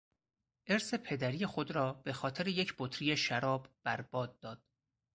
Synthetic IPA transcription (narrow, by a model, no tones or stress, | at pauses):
ʔe̞ɾse̞pʰe̞d̪æɾiːjexo̞d̪ɾɒːb̥e̞xɒːt̪ʰe̞ɾeje̞cʰb̥ot̪ʰɾijeʃæɾɒːbb̥æɾb̥ɒːd̪̚ːɒːd̪̥̚